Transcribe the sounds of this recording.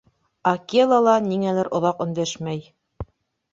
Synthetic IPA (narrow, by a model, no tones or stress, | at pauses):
ɑkelˠɑlˠɑniŋælæɾʔŏðɑqɵ̆nd̪æʃmæj